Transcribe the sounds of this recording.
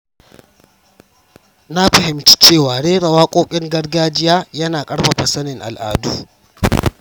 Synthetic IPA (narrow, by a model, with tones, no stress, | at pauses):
na˦ɸɐ˨ɦɪ˨mt͡ʃi̥˦t͡ʃeː˦˨waː˨ɽeː˦ɽɐ˨waː˦kʷʼoː˦kʲʼɪ˦ŋɡɐ˦ɽɡaː˦d͡ʒɪ˦jaː˦jɐ˦naː˨kʼɐ˦ɽɸa˨ɸɐ˨sɐ˦nɪ˨ŋʔa̰˨lʔa̰ː˨duː˦